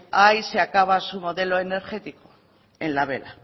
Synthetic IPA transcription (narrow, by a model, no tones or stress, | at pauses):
ajseakaβ̞asumo̞ðe̞loe̞ne̞ɾxe̞t̪iko̥ | e̞nlaβe̞̰la